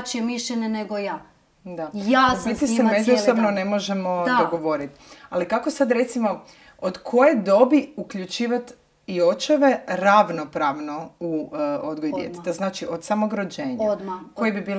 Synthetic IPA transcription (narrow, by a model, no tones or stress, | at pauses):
t͡ʃiemiʃʎeɲeneɡojaː | d̪ajabit̪isemezusobnone̞mo̞ʒemo̞d̪oɡoʋo̞ɾit̪alikako̞sad̪ɾe̞t̪simo̞ | od̪kʰo̞jed̪o̞biukʎut͡ʃiːʋat̪ | ijo̞t͡ʃoʋeɾaʋno̞pɾaʋnouod̪ɡojijet̪e̥t̪aznaːt͡ʃiʔo̞d̪samo̞ɡɾod͡ʑeːɲakojebibiːl